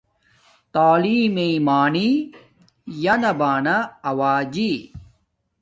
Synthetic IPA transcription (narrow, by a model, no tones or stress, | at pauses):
t̪aːliːmeimaːni | jɐnɐbaːnɐɐwaːd͡ʑi